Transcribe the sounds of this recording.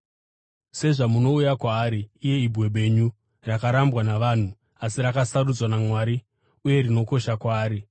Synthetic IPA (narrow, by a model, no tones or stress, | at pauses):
se̞ʐamuno̞ujakwaːɾiːje̞ibʱwe̞ɓe̞ɲu | rakaɾambwanaʋan̤u | asiɾakasarud͡zwanamwaːɾi | uje̞ɾino̞ko̞ʃakwaːɾi